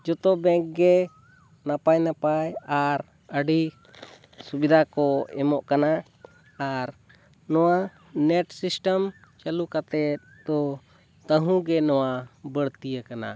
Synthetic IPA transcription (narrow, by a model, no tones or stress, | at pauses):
d͡ʒɔt̪ɔbɛ̃ŋk̚ɡɛ | napajnapajaɾ | əɖi | subid̪ʱakɔɛmɔʔkanaː | ɾ | nɔwa | nɛʈsisʈəm | t͡ʃalukat̪ɛt̪̚d̪ɔ | t̪əɦũɡɛnɔwabəɽt̪ijəkana̰